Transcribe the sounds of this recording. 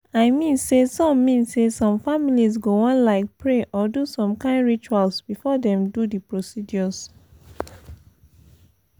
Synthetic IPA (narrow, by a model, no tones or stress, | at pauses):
aɪmĩnsesɔ̃mːĩnsesɔ̃mfamilis̬ɡowɔ̃nlaɪk̚pʰɹeʔɔdusɔ̃mkãɪ̃ndɹit͡ʃualsbifɔdɛ̃mdudipɹosidjɔs